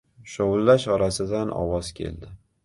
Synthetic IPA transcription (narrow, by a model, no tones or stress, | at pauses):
ʃowʊlːaʃɒɾasɪd̪anʔɒ̰wɒz̥kʲʰe̞̰ld̪ɪ